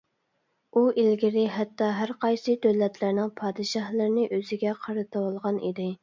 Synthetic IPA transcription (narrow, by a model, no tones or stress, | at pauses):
ʔuʔilɡʲɪɾɪɦɛt̪ːɑɦæɾqɑjsɨd̪øwlːɛt̪ʰlɪɾnɪŋpʰɑːd̪ɨʃɑhlˠɨɾnɪʔøzɪɡʲɛqʰɑɾɨt̪ʰɨwɑlˠʁɑnʔḭd̪ɪ